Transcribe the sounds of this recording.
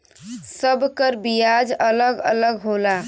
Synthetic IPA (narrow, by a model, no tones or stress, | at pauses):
səbkəɾbijad͡ʒələɡə̰ləɡɦola